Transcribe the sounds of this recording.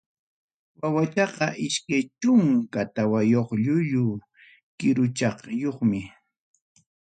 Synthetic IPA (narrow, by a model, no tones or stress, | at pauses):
wawat̪ɑqɑʔɪʃkajt͡ʃʊŋkat̪awajoχʎʊʎʊ | kɪɾʊt͡ʃɑχjoχmɪ